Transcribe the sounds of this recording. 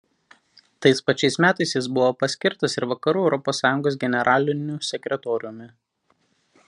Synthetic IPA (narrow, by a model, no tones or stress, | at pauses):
t̪ɐɪspɐt͡ʃʲɛɪsmʲæːt̪ɐɪsʲjɪs̬bʊʋoːpɐsʲkʲɪɾt̪ɐsɪɾʋɐkɐɾuːɛʊɾɔpoːsːɑːjʊŋɡoːs̬ɡʲɛnʲɛɾʔɑːlʲɪnʲʊsʲɛkʲɾʲɛt̪ɔːɾʲɪjʊmʲɪ